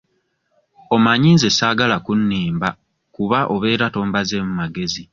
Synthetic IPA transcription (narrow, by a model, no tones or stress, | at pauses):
omaɲiːnzesaːɡalakunːiːmba | kuβaʔo̞βe̞ːɾato̞ːmbaze̞mumaɡe̞zi